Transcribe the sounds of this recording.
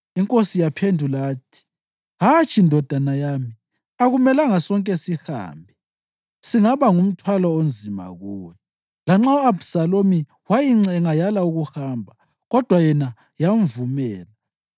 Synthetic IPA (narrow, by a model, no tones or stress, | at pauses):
iŋkʼosijapʰendʱulaːtʰi̥ | ɦat͡ʃʼindʱɔd̥ʱanajami | aɣumɛlaŋasɔŋkʼɛsiha̰ːmbʱɛ | siŋaβaŋum̩tʰwalɔond͡zʱima̰ɣuːwɛ | laŋ͡ǁauabsalomi | wajiŋ͡ǁɛŋajalauɣuhambʱa | ɣɔd̥ʱwajɛna | jaɱvumɛːla